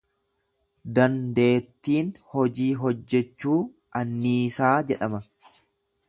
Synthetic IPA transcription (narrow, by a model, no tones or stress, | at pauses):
d̪ɐnd̪e̞ːt̪ːiːnhɔd͡ʒiːɦɔd͡ʒːɛt͡ʃːuː | ɐnːiːsaːd͡ʒɛᶑɐmɐ